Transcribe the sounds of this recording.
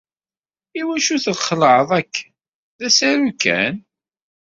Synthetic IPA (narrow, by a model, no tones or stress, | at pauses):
iwæʃuθəðχəlʕəðˤækː | ðæsæɾukːæ̰n